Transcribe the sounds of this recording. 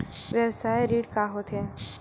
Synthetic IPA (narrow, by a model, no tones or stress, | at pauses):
ʋjəwsaːjɾiːɖkaɦot̪ɛ̃